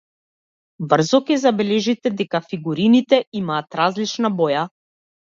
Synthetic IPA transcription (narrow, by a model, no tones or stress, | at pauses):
br̩zɔkɛzabɛlɛʒit̪ɛd̪ɛkafiɡuɾinit̪ɛimaːt̪ɾazlit͡ʃnabɔja